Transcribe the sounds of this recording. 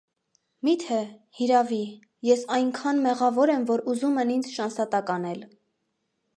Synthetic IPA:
mit̪ʰɛhiɾɑvi | jɛsɑjŋkʰɑnmɛʁɑvɔɾɛmvɔɾuzumɛnind͡zʃɑnsɑt̪ɑkɑnɛl

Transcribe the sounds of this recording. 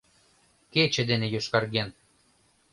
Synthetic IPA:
ket͡ɕĕd̪enejoʃkɑrɣen

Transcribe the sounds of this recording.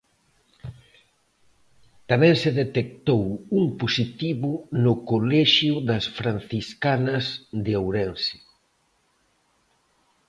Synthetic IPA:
t̪amɛ̃ŋseðet̪ek̚t̪owuŋposit̪iβʊnʊkolɛʃjʊðɐsfɾan̟θiskanɐzd̪ɪowɾɛnsɪ̥

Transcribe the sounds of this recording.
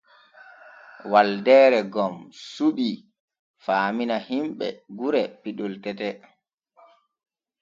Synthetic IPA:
waldɛːɾɛɡɔmsuɗi | faːminahimɓɛ̰ɡuɾɛpiɗɔltɛtɛ

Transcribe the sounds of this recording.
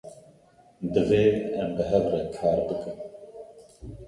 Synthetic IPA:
d̪ɨveːɛmbəɦɛvrɛkʰɑːɾbɨkɨm

